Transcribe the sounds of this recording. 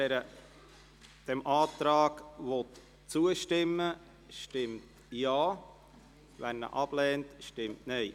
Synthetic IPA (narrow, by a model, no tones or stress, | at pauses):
ɛɾə | d̥ɛmʔɑːt̪ɾɑːɡʋɔt | t͡suəʃtɪmːə | ʃtɪmt | jɑː | vænːə̰ʔɑb̥lɛːntʃtɪmtnɛɪ